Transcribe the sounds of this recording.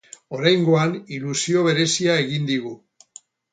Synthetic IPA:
o̞ɾajŋɡo̞anilusio̞β̞e̞ɾe̞siae̞ɣind̪iɣu

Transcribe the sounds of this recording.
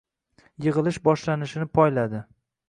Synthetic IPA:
jɨʁɨlˠɪʃbɒʃlanɪʃɪnɪpʰɒjlad̪ɪ

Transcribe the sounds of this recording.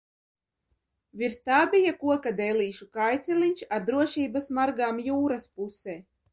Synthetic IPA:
viɾst̪aːbʲijakuɔkad̪ɛjlʲiːʃukajt̪sɛlʲiɲʲt͡ʃaɾd̪ɾuɔʃiːbasmaɾɡaːmjuːɾaspuseː

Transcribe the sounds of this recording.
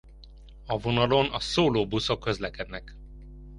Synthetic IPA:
ɒvo̞nɒlo̞nɒsoːloːbuso̞kːø̞zlɛkɛd̪nɛk

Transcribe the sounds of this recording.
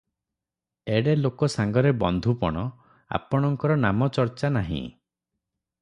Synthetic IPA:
eɽelokɔsaŋɡɔɾebɔnd̪ʱupɔ̰ɽ̃ɔ | a̰pɔɽ̃ɔŋkɔɾɔnamɔt͡ʃɔɾt͡ʃanaɦḭ̃

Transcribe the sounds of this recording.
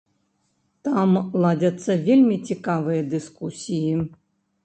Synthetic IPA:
t̪amlˠad͡zʲɐt̪sːɐvʲelʲmʲit͡sʲikavɨjɐd̪ɨskusʲiji

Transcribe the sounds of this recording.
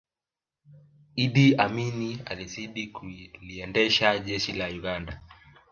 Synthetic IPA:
iɗiaminia̰liziɗikuliɛndɛʃaʄɛʃilauɡanda

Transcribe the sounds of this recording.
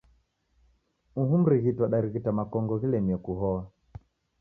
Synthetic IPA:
uɦum̩ɾiɣitwaɗaɾiɣitamakɔŋɡɔɣilɛmiɔkuɦɔa

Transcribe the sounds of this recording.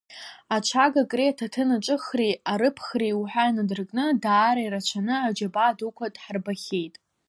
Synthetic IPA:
at͡ʃʷʰaɡakʼretʰatʰɨnaʈ͡ʂʼɨχriaɾɨpʰχriwħʷᶣainadɨrkʼnɨdaːɾaiɾat͡ʃʷʰanɨad͡ʒabaːdukʷʰatʼħarbaχʲejtʼ

